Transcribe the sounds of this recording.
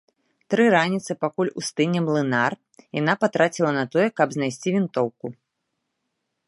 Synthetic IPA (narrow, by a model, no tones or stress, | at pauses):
t̪ɾɨɾanʲit̪sɨpakulʲust̪ɨnʲɛmlˠɨnar | janapat̪ɾat͡sʲilˠɐnɐt̪ɔjɛkɐbznajsʲt͡sʲivʲint̪ɔwku